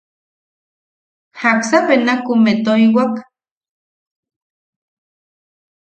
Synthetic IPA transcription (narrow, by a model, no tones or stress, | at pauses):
haksapenakumet̪oiwak